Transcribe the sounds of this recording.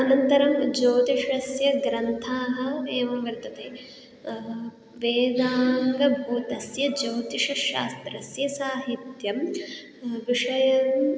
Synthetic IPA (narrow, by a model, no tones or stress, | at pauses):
ɐnɐnt̪ɐɾɐmd͡ʒoːt̪iʃɐsjɐɡɾɐnt̪ʰaːɦɐ̆eːʋɐʋɐɾt̪ɐt̪eː | ʋeːd̪aːŋɡɐbʱuːt̪ɐsjɐd͡ʒoːt̪iʂɐʃa̰ːst̪ɾɐsjɐsaːɦit̪jɐm | ʋiʂɐjɐm